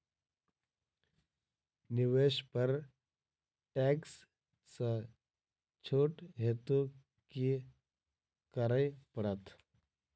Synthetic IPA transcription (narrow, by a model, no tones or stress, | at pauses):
nɪʋeːʃpəɾ | ʈeːks | sə | t͡ʃʰoːʈɦeːt̪u | ki | kəɾəjpɐɽət̪